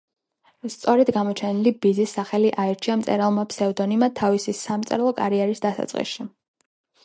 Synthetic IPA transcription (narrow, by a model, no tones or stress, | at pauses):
st̪sʼɔɾɛd̪ɡamɔt͡ʃʰɛnilibizisːaχɛliʔaɛɾt͡ʃʰiamt̪sʼɛ̰ɾalˠmapʰsɛud̪ɔnimat̪ʰavisisamt̪sʼɛɾlˠɔkʼa̰ɾiɛɾisd̪asa̰t̪sʼqʼḭsʃi